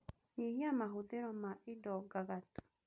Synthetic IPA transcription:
ɲihiamaɦuðeɾɔmaʔidɔɡaɣatu̥

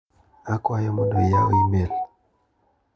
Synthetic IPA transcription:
akwajɔmɔndɔjao̰imel

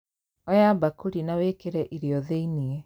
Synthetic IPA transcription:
ɔjabakuɾinaweːkeɾɛʔiɾiɔðeiniɛ

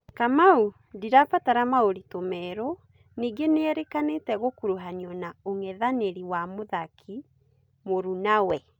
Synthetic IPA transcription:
kamau | diɾapataɾamaoɾitomɛɾo | niːɡeneɛɾekanetɛɣokuɾuɦaniɔnaoŋɛðaneɾiwamoðakʰi | moɾunawɛ

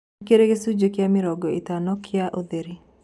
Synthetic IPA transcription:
keɾeɣesud͡ʒokjamɪɾɔɡɔitanɔkʰɪaʔoðeɾi

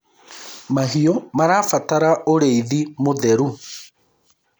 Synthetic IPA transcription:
maɦiomaɾaːfataɾaʔoɾeiðimoðɛɾu

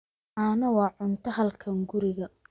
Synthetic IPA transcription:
ʔanɐwɑːʕʊnt̪ʰɐɦɐlkʰɐŋɡʊɾɪɣɐ

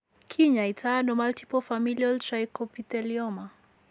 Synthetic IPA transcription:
kʰiɲaitʰanɔmaltipɔfamilialtɾajkɔpitɛliɔma

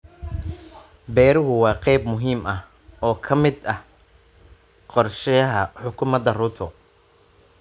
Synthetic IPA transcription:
bɛːɾʊɦʊwɑːqɛjbmʊɦiːmɐh | ɔːkʰɐmɪd̪ɐh | qɔrʃɛjɐɦɐħʊkʰʊmɐd̪ɐrʊt̪ʰɔ

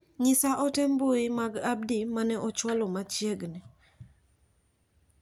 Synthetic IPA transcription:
ɲɪsaʔɔtɛmboɪmaɡab̚dimanɛʔɔt͡ʃwalɔmat͡ʃjeɡnɪ

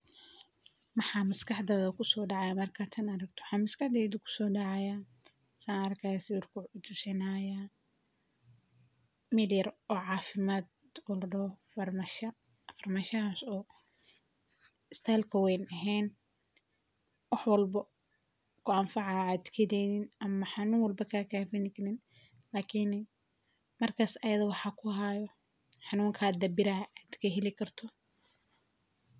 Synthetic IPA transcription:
mɐħɑːmɐskʰɑħd̪ɛːðɐkʰʊsɔːɖɑʕɑjaːmɐrkʰat̪ʰɐnɐɾɐɡt̪ʰɔwɑħɑːmɐskɑħd̪ɛːd̪ʊkʰʊ̥sɔːɖɑʕɑjaː | sanɐɾɐkʰajasɪwʊrkʰʊʕʊt͡ʃʊsɪnaja | mɪljɐɾɔːʕɑːfɪmaːd̪ | ɔlɖɔfmʃɐ | fɐrmaːʃɐasɔː | ɪst̪ʰajlkʰɐwɛjnɐɦɛːn | wɑħwɐlbɐ | kʰʊɐmfɑʕɑaːd̪kʰɐdɛnɪnɐmɐħɑnuːŋwɐlbɐkʰaːkʰaːfɪnɪkʰɐnɪn | laːkʰin | mɐrkʰaːsɐjɐðɐwɑħɑkʰʊɦajɔ | ħɑnuːŋkʰaːd̪ɐbɪɾɐaːd̪kʰɐɦɛlɪkʰɐrt̪ʰɔ

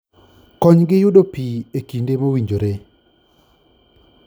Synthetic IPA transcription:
kɔɲɡɪjʊdopiekindemowiɲd͡ʒoɾe

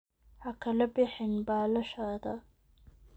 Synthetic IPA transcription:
hɐkʰɐlɐbɪħɪnbaːlɐʃaːðɐ

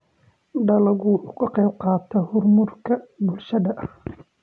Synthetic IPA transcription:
ɖɐlɐɣuːʔʊkʰɐqɑjb̚qɑːt̪ʰɐhʊrmʊrkʰɐbʊlʃɐðɐʔɐh

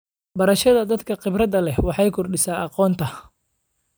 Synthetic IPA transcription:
bɐɾɐʃɐðɐd̪ɐd̪kʰɐqɪbrɐd̪ɐlɛhwɑħɑjkʰʊrɖɪsaːʔɑqɔːnt̪ʰɐ

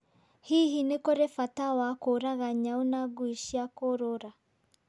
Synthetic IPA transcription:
hiɦinekoɾefatawakoɾaɣaɲaonaɡwiʃiakoɾoɾa

